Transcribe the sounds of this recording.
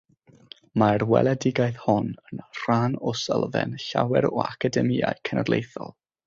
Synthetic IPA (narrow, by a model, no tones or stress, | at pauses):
marwɛ̰lˠɛdɪɡajθhɔnənr̥aːnɔsəlˠvɛ̰nɬawɛɾɔakʰadɛmia̰ɨkʰɛnədlˠejθɔ̰lˠ